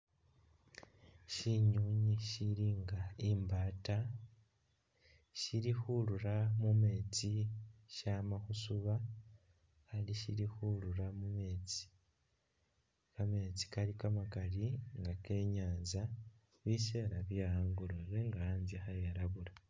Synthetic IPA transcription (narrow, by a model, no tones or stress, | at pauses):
ʃiɲuːɲiʃiɾiŋɡaimbaːta | ʃiɾixuluɾamume̞ːt͡siʃamaxusuβa | xaliʃiɾixuluɾamume̞ːt͡si̥ | kame̞ːt͡si̥kaɾikamakaliŋɡake̞ːɲaːnza | βise̞ːɾaβjahaːŋɡuɾoɾeŋɡaaːnzixajaɾaβuɾa